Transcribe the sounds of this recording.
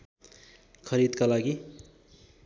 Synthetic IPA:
kʰʌɾid̪kalaɡi

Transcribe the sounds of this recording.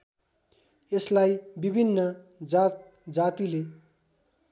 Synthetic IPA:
eslajbibʱinːʌ | d͡zat̪ | d͡zat̪ile

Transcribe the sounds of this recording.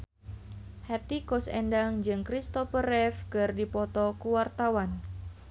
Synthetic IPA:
hɛt̪ikɔsɛ̰ndaŋd͡ʒɨŋkɾist̪ɔfəɾɛfkɨrdipɔt̪ɔkuwart̪awan

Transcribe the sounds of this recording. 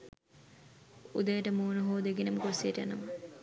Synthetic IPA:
ud̪əjəʈəmuːnuɦoːd̪eɡenɐmkoɾsieʈjanəmə

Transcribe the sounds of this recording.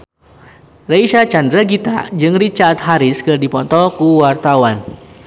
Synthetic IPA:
raiʃat͡ʃandɾaɡit̪a̰d͡ʒɨŋrit͡ʃaːt̪̚ɦaɾɪskɨrdipɔnt̪ɔkuwart̪awan

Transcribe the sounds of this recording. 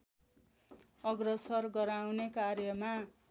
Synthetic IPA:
ʌɡrʌsʌrɡʌɾawnekaɾjʌma

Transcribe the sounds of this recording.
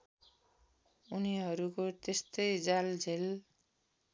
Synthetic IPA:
uniɦʌɾukot̪est̪ʌjd͡zald͡zʱel

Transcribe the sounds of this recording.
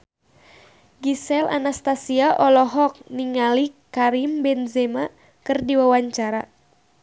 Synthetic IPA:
ɡisɛla̰nast̪asiaʔɔlɔɦɔk̚niŋalikaɾimbɛnzɛma | kɨrdiwawaɲt͡ʃaɾa̰

